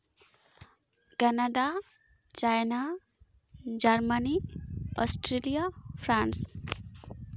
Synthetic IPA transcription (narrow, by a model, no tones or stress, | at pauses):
kanaɖa | t͡ʃajna | d͡ʒaɾmaniɔsʈɾelijapʰɾans